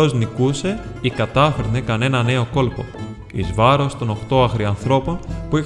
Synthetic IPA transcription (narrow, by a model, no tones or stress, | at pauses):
o̞znikuse̞ikɐt̪ɐfeɾnekɐne̞nɐne̞o̞ko̞lpo̞̰ | ḭzvɐɾo̞st̪o̞no̞xt̪o̞ɐxɾiɐnθɾo̞po̞npui